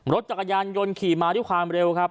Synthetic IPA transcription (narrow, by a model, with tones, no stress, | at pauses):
ɾo˦˥t̪̚t͡ɕa˨˩kːa˧jaː˧njo˧nkʰiː˨˩maː˧dkʰwaː˧mɾe˧wkʰa˦˥p̚